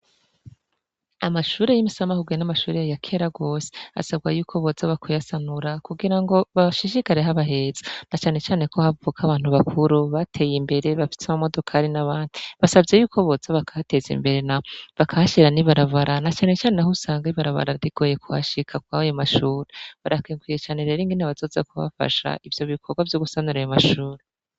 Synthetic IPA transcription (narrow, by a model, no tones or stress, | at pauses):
amaʃuːɾe̞jimisamahuɡinamaʃuːɾejajakʰe̞ɾaɡo̞ːse̥a̰sabɡajuːkʰo̞βo̞zaβakʰojasanuɾakuɡiɾaŋɡo̞βaʃiʃikaɾeɦaβaɦe̞z̥anat͡ʃaːne̞t͡ʃaːne̞ko̞havukʰaβaːn̥uβakʰuɾuβatʰe̞ːjimbe̞ɾe̞βafi̥samamo̞do̞kʰaɾinaβaːndiβasavɟe̞juːkʰo̞βozaβakʰate̞zḭmbe̞ɾenaβakʰaaʃiɾaniβaɾaβaɾanat͡ʃaːne̞t͡ʃaːnenahusaːŋɡaiβaɾaβa̰ɾaɾɾiɡ̥o̞ːje̞kʰuha̰ʃikʰakwaajomaʃuːɾeβaɾakiːŋɡwijet͡ʃaːne̞ɾe̞ːɾiŋɡinaβazo̞ːza̰kuβa̰fa̰ʃa̰ʔivjo̞βikʰo̞ɡwavjo̞ɡusanuɾajomaʃuːɾe